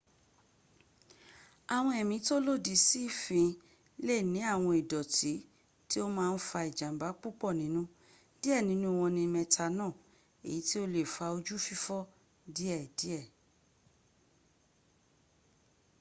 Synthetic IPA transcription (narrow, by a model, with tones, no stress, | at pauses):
a˨w̃ɔ̃˧˦ɛ˨mĩ˧˦to˦lo˦˨di˨˧˦si˦fĩ˧ | le˦˨nĩ˨˦a˦˨w̃ɔ̃˧i˨dɔ˨ti˨˦ | ti˦o˦mãː˦˧n̩˦fa˧i˨d͡ʒã˨m̩˨ba˨˦k͡pu˦k͡pɔ˦˨nĩ˨˦nũ˦ | di˦ɛ˦˨nĩ˨˦nũ˦w̃ɔ̃˧nĩ˧mɛ̃˧tʰa˧nãː˦˨ | ḛ˨i˨˦ti˦o˦le˦˨fa˧o˧d͡ʒu˦fi˦fɔ˦ | di˦ɛ˦˨di˨˦ɛ˦˨